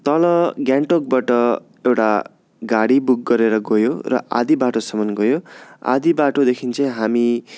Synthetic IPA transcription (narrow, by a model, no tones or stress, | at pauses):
t̪ʌlʌɡjãɳʈok̚baʈʌ | ewʈa̰ | ɡaɽibuk̚ːʌɾeɾʌɡojorʌ̰ʔa̰d̪ibaʈosʌmʌnɡojoa̰d̪ibaʈod̪ekʰint͡sʌj̃ɦami